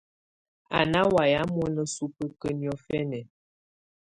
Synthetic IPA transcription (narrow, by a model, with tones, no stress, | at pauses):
a̰˨na˦wa˨ja˨˦mɔ˦nə˨su˦pə˦kə˦njɔ˨fɛ˦nɛ˨